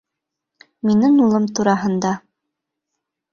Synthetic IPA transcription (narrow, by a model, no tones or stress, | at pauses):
minɘŋulˠɤmt̪uɾɑɦɤ̆nd̪ɑ